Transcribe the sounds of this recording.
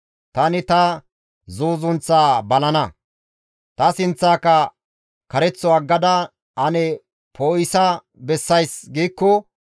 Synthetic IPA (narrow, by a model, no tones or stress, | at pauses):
t̪ɐnɪt̪ɐ | zuːzʊnt͡sːaːbɐlɐnɐ | t̪ɐsɪnt͡sːaːkːɐ | kɐɾɛt͡sːɔɐɡːɐd̪ɐ | ʔɐnɛ | pʰoːɪsɐ | bɛsːɐjsɡiːkːɔ